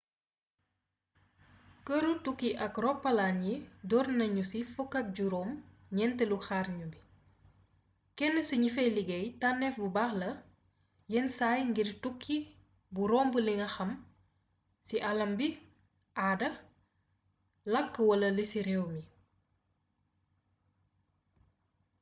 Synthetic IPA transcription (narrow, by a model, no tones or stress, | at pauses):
kəɾutukːiʔɐkrɔpːɐlaɲidɔrnɐɲusifukːɐt̚ɟuɾɔːm | ɲɛntɛluxaːrɲubi | kɛnːəsiɲifɛjliɡɛjtanːɛfbubaːxlɐ | jɛnsajŋɡirtukʰːi | buɾɔːmbuliŋɐxɐm | siʔɐlɐmbi | ʔaːdɐ | lɐkːəwɐlɐlisiɾɛwmi